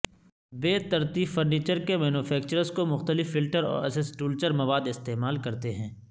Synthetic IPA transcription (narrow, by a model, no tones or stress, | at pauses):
beːt̪ɐɾt̪iːfɐɾniːt͡ʃəɾkemɛːnufʰɛːk̚t͡ʃəɾəskomʊxt̪əlɪfːɪlʈəɾɔ̰ːɾɐ̰sɪsʈuːlt͡ʃəɾmɐʋaːd̪ɪst̪eːmaːlkɐɾt̪eɦɛ̃ː